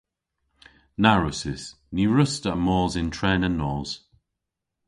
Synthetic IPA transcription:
naɹʊsɪs | niːɹʊstəʔmɔːzɪ̃ntʰɹ̥ɛːnənːɔːz̥

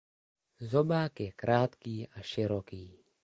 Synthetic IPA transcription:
zɔbakekɾʔaːt̪kiːaʃɪɾoːkiː

